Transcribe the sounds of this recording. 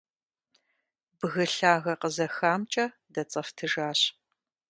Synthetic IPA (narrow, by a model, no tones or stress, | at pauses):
bɣɨɬaːɣɐqəzɐxaːmt͡ʃʼɐ | dɐt͡sʼɐftʰɨʒaːɕ